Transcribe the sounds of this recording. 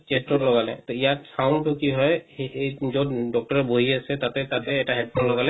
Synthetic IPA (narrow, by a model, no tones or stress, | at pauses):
t͡ʃestɔtlɔɡalɛ̰t̪ɔijasʰawntukiɦɔjejzɔdɔk̚ʈɔɹɛboɦiasɛt̪at̪ɛt̪at̪ɛːtaɦɛdpʰɔnlɔɡalɛ